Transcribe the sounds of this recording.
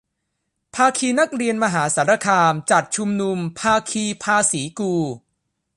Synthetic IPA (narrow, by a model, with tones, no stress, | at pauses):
pʰaː˧kʰiː˧na˦˥k̚ɾi˧ənma˧ɦaː˩˦saː˩˦ɾa˧kʰaː˧mt͡ɕa˨˩t̪̚t͡ɕʰu˧mnu˧mpʰaː˧kʰiː˧pʰaː˧siː˩˦kuː˧